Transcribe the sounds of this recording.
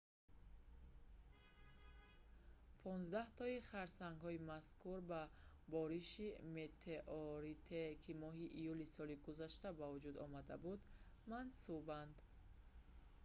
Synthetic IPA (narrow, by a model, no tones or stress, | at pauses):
pʰɔnzd̪aht̪ɔiχaɾsaŋɡhɔimaskuɾba | bɔɾiʃimet̪ʰeʔɔɾit̪ʰekʰimɔɦiʔijulisɔliɡuzaʃt̪abavud͡ʒud̪ɔmad̪abud̪ | mansuband̪